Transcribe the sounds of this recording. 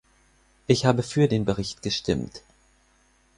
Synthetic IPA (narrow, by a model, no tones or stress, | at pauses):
ʔɪçhaːbəfyːɐdeːnbəʁ̞ɪçtɡ̥əʃtɪmt